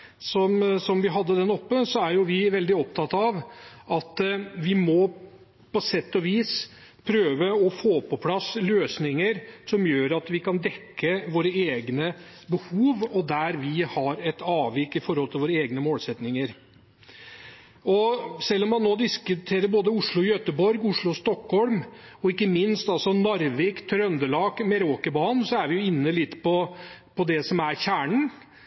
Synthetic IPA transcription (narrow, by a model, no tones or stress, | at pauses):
sɔmsɔmʋɪɦɑd̪ːəd̪ɛnɔpːəsɔæɾjʊʋɪʋɛld̪ɪɔp̚t̪ʰɑt̪ɑʋɑt̪ʋɪmɔ | pɔsɛt̪ːɔʋiːs | pʰɾøːʋəɔfoːpʰɔpʰlɑsːløːsnɪŋəɾsɔmjøːɾɑt̪ʋɪkʰɑnd̪ɛkʰːəʋoːɾəeːɡnə | bəhuːʋɔd̪æɾʋɪhɑɾɛt̪ɑːʋɪkːɪfɔɾhɔlt̪ɪlʋoːɾəeːɡnəmoːlsɛt̪nɪŋəɾ | ɔsɛlːɔmːɑnːoːd̪ɪskʉt̪ʰeːɾəɾboːd̪əʊʂɭʊɔjœt̪əbɔɾɡʊʂɭʊɔst̪ɔkhɔlmɔɪkːəmɪnst̪ɑlsɔnɑɾʋɪkt̪ʰɾœnd̪əlɑːkmɛɾoːkəbɑːnsɔæɾʋɪjʊɪnːəlɪt̪ːpɔpʰɔd̪ɛsɔmæɾɕæːɳɳ̩